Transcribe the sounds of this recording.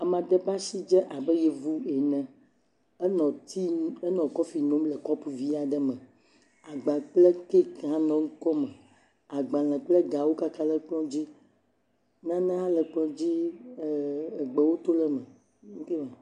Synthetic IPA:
a˨mã˨d̪ə˨ba˦si˦d͡ʒɛ˦ʔa˨bə˦je˦˨vu˦e˨nɛ̃˨˦ | nɔ̃˨t̪i˦e˦nɔ̃˨kɔ˦fi˨nõ˦mlə˨kɔ˦pu˨vi˦a˨ɖə˦mə̃˨ | a˨ɡ͡bã˨k͡ple˦ke˦kã˦nɔ̃˨ŋ̩˦kɔ˦mɛ˨ | a˨ɡ͡bã˨lə̃˨k͡ple˦ɡa˨wo˦ka˦ka˦lə˦k͡plɔ̃˦d͡ʑi˦ | nã˦nã˦lə˨k͡plɔ̃˦d͡ʑi˦˨ | ɡ͡be˨wo˦t̪o˦lə˦mə̃˨˦ | ke˦ma˨

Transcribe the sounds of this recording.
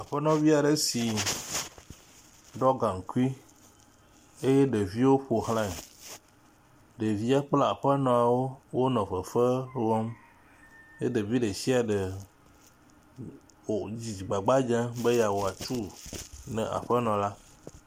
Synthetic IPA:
a˨ɸɛ˦nɔ̃˦vi˦a˨ɖe˦si˨ | ɖɔ˦ɡã˨ŋ̩˨ku˦i˦ | e˦jɛ˦ɖe˨vi˦wo˦ɸo˨ɦl̃ã˦˨ | ɖe˨vi˦a˦k͡pla˦a˨ɸɛ˦nɔ̃˨a˨wo˦wo˦nɔ̃˨ɸə˨fə˦wɔ˦m | ḛ˦de˨vi˦ɖe˨si˦a˨ɖe˨ | wo˨d͡ʑi˨d͡ʑi˨ɡ͡ba˨ɡ͡ba˦d͡ʒã˦be˦ja˨wo˨a˨t͡ʃu˦nɛ̰̃˨ʔa̰˨ɸə˦nɔ̃˨la˦

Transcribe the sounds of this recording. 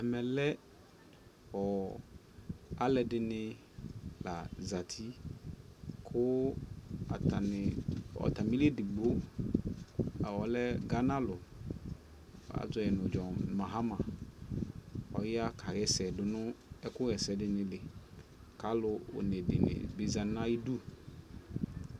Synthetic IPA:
ɛ˨mɛ˨lɛ˦ | ɔ˨ | a˦lɛ˨dɪ˦nɪ˦ | la˨za˨tʰi˦ | kʰʊ˦ | a˨ta˨nɪ˨ɔ̰˨ta˨mi˦le˦dɪ˨ɡ͡bo˦˨ | wɔ˨lɛ˦ɡa˦na˦lʊ˨ | a̰˨zɔ˨ɛ˨nʊ˨d͡ʒɔ˨ma˨ɦa˦mã˨ | ɔ̰˨jɪ˦a˦kʰa˨ɣɛ˨sɛ˨dʊ˨nʊ̃˦ɛ˦kʊ˦ɣɛ˨sɛ˨dɪ˨nɪ˨lɪ˨ | ka˨˦lʊ˨ʊ̰˨ne˨dɪ̰˨nɪ̰̃˨be˨za˨na˦i˦du˦

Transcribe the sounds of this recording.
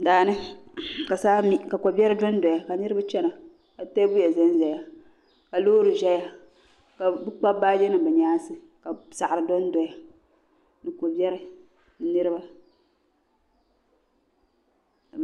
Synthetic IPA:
daː˨nɨ˦ka˨saː˦mi˦ka˨ko˨bɛ˦ɾɨ˦dɔ˦n˦dɔ˨ja˨ka˨nɨ˦ɾɨ˦ba˦t͡ʃɛ˦na˨ | ka˨tɛ˦bʊ˦ja˨zɛ˦n˦ʒɛ˨ja˨ | ka˨loː˦ɾɨ˨ʒɛ˦ja˦ | ka˨bɨ˦k͡pa˦baː˦d͡ʒɛ˦nɨ˨bɛ˨ɲaː˦sɨ˨ | ka˨sa˨ʔɾɨ˨dɔ˦n˦dɔ˨ja˨ | nɨ˨ko˨bɛ˦ɾɨ˦ | nɨ˦ɾɨ˦ba˦˨

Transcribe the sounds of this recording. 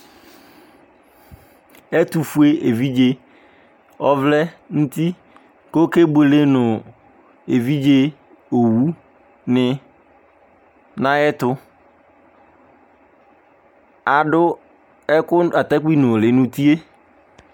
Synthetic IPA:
ɛ˦t̪u˨fu˦e˦e˨vi˦d͡ʒe˦ | ɔ˦vlɛ˦nũ˦t̪i˦ | ko˦ke˦be˨le˦nʊ̃˨ | e˨vi˦d͡ʒe˦ | o˨wu˦ | nɪ˨ | nã˦ɛ˦t̪ʊ˦ | a˨ɖʊ˦ | ɛ˦kʊ˦a˨t̪a˦k͡pi˦nʊ̃˨lɪ˨nʊ̃˦t̪i˦e˦

